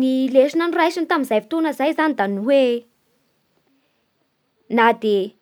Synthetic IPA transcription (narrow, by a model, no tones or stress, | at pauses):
nileʃinənrajsint̪aminzajfi̥t̪onəzajzanid̪anuwe | nad̪e